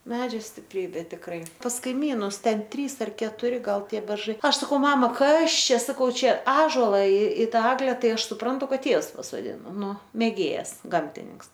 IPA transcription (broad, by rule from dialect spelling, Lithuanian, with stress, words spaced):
ˈmʲæːd͡ʒʲoː sʲtʲɪpʲˈrʲiːbʲeː tʲɪkˈrɐɪ pɐs kɐɪˈmʲiːnʊs ˈtʲɛn ˈtʲrʲiːs ɐr kʲɛtʊˈrʲɪ ˈɡɐlˠ ˈtʲiɛ bʲɛrˈʒɐɪ ˈɐʃ sɐˈkɐʊ ˈmɑːmɐ ˈkɐs ˈt͡ʃʲɛ sɐˈkɐʊ ˈt͡ʃʲɛ ˈɑːʒoːlˠɐ ɪ ɪ ˈtɑː ˈæːɡlʲɛ ˈtɐɪ ˈɐʃ sʊˈprɐntʊ ˈkɐt ˈtʲiɛws pɐsoːˈdʲɪnoː ˈnʊ mʲeːˈɡʲeːjɛs ˈɡɐmʲtʲɪnʲɪŋks